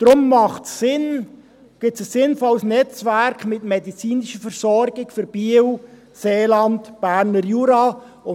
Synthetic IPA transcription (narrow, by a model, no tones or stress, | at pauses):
d̥ɾʊmːɑχtsɪn | ɡ̥ɪtsəsːɪnfɔləsnɛt͡svæɾkmɪtmɛdit͡siːnɪʃəfəɾsɔɾɡɪɡfʏɾb̥iw | seːlɑntb̥æɾnəɾjuːɾɑ | ʊ